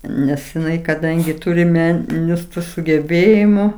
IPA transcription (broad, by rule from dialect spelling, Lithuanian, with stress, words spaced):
ˈnʲɛs jɪˈnɐɪ kɐˈdɐŋʲɡʲɪ ˈtuːrʲɪ ˈmʲæːnʲɪnʲʊs sʊɡʲɛˈbʲeːjɪmʊ